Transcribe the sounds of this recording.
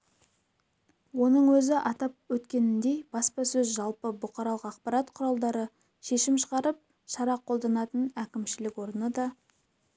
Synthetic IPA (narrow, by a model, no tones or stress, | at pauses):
wo̞nəɴwɵzɪʔɑt̪ɑp̚wɵt̪kʲe̞nɪnd̪e̞jb̥ɑspɑsɵzʒɑlˠpəbʊqɑɾɑlˠəqɑqpɑɾɑt̪qʰʊɾɑlˠd̪ɑɾə | ʃe̞ʃɪmʃəʁɑɾəp̚ | ʃɑɾɑqʰo̞lˠd̪ɑnɑt̪ənækʲɪmʃɪlɪkwo̞ɾənəd̪ɑ